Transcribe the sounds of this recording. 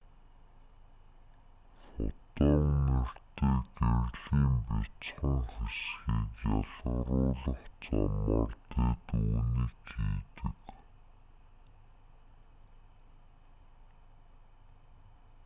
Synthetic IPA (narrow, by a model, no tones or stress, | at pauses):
χʊ̰t̪ɔːner̥t̪eːkærɮiːmpit͡sχə̆ŋxesxiːkjɔɮə̆wrʊːɮə̆χt͡sɔmɔ̰rt̪eːt̪uːniːkxiːt̪ɘ̆k